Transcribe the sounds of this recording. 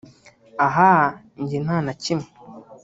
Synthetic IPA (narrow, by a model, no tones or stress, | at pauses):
aɦa | ɲɟinanacimu